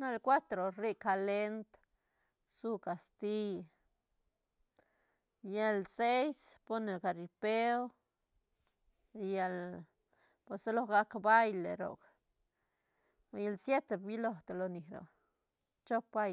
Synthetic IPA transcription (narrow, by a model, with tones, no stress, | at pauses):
na˦lkwa˦t̪ɾo˨ɾi˦ka˨le˦nt̪ | su˦ka˨st̪i˦j | je˧lse˦jspo˦ne˨lka˨ɾipe˦o˦ | ja˧l | poso˦lo˧ɡa˧˦kba˦jlḛ˨ɾo̰˨k | je˧lsje˦t̪e˨bi˦lo˧˨ht̪o˨lo˨ni˨hɾo̰˨ | t͡ʃo˦p̚ba˦j